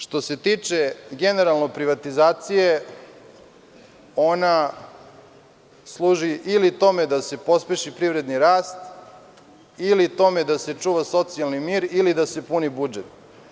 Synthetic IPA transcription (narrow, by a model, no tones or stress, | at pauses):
ʂt̪o̞se̞t̪iːt͡ʂe̞ɡe̞ne̞ɾalˠno̞pɾiʋat̪izaːt̪sije | o̞na | slˠuːʒiʔilit̪o̞me̞d̪ase̞po̞speʃipɾivɾe̞d̪niɾaːst̪ | ilit̪o̞med̪aset͡ʂuːʋaso̞t̪sialˠnimiːɾilid̪ase̞punibud͡ʒet̪